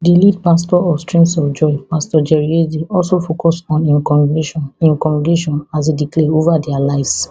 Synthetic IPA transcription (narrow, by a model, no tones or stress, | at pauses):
dilidpastɔɔfstɹĩŋsɔfd͡ʒɔipastɔd͡ʒɛɹiediɔlsofokɔsɔ̃nĩɔĩŋkɔmideʃɔ̃nasidiklɛovadɛalaɪvs